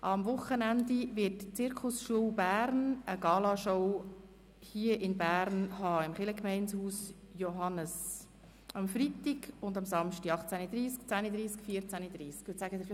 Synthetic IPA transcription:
ʔɑmvʊχənændivɪtt͡sɪɾkʰʊsʃuəwbæːɾnəɡɑːlɑʃɔʊ | hiəʔɪnbæːɾnhɑːɪmχɪləkmɛɪnshuːs | joɦɑnəs | ɑmfɾit̪iɡʊndɑmsɑmʃtiɑχt͡sænid̪ɾiːsk̚t͡sænid̪ɾiːskfiəɾt͡sænid̥̪ɾiːskʋɪsæɡəd̪ɪf

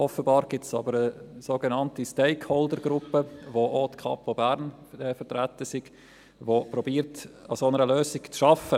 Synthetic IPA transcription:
ʔɔfəbɑːɾɡ̥ɪtsɑbəɾəsoɡenɑntistɛɪkʰhɔldəɾɡɾʊpəvootkʰɑ̰pfobæɾn | ɛfətɾætəsiɡ̥ | vopɾɔbiːɾtɑsonəɾəløːsɪɡt͡sʃɑfə

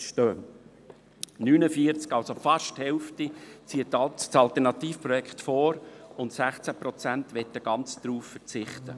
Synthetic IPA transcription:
ʃtøː | nyːnəfiəɾt͡skɑlsofɑʃthɛlftit͡siətsɑlt̪ɛɾnɑt̪iːfpɾɔjɛkχtfoːɾʊntsæχt͡sæpɾɔt͡sæntʋɛtːəɡ̥ɑnt͡sd̪̥ɾuːffəɾt͡sɪχt̪ə̰

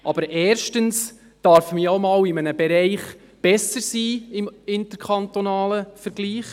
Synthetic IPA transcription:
ʔɑbəɾʔɛːɾʃtəns | d̥ɑɾfmiomɑːwɪmənəbɛɾɛɪχ | b̥ɛsəɾsiːɪmɪnt̪əɾkχɑnt̪onɑːləfəɾɡ̥liːχ

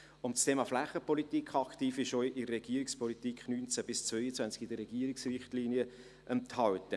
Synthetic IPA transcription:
ʊntstʰeːmɑflæχːəpɔlit̪ikχɑkχt̪iːfɪʃɔʏʔɪdərːɛɡ̥iəɾikspʰɔlit̪ikχnyːnt͡sæb̥ɪst͡svœjət͡svænt͡sɡ̥ɪd̥əɾɛɡ̥iːəɾɪksrɪχtliːniə | ʔənt̪hɑwtə

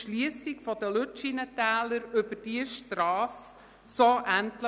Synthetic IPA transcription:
ʃliəsikfɔd̪əlʉt͡ʃinətæːləɾɵb̥əd̥iəʃtɾɑːsː | oʔæntlə

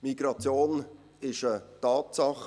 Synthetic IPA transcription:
miɡ̥ɾɑt͡sjoːn | ɪʃətɑːtsɑχ

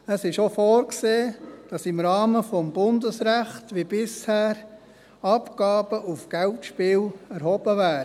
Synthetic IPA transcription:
əsɪʃofɔːɾkseːd̥ɑsɪmɾɑːməfɔmb̥ʊndəsɾæχtʋib̥ɪshæːɾ | ɑpɡ̥ɑːb̥əʔufɡ̥ɛltʃpɪːlɛɾhɔb̥əvæːɾ

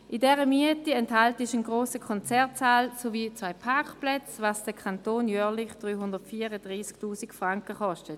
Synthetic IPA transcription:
ʔidɛːʁəmiətiɛnthaltɪʃənɡʁoːsəkʰɔnt͡sɛɐtt͡saːlsoviːt͡svaɪpʰaɐkplɛt͡svaːsd̥əkʰantoːnjœːɐlɪχd̥ʁyːɦʊndətfiːəʁədʁiːsktuːsikfʁaŋkəχɔʃtət

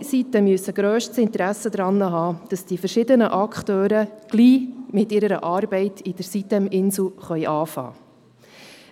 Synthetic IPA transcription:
sitəmyəsəɡ̥ɾøːʃtsɪnt̪əɾæsəd̪ɾɑnːəɦɑːd̥ɑsd̥ifəɾʃɪdənəʔɑkχtøːɾəɡ̥liːmɪtɪɾəɾəʔɑːɾbɛɪtʰid̥əɾsit̪ɛmɪnsl̩χœʏʔɑːfɑ̰ː

